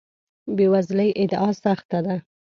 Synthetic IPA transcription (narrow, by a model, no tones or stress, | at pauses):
bewazləjʔɪd̪ɑsaxt̪ad̪a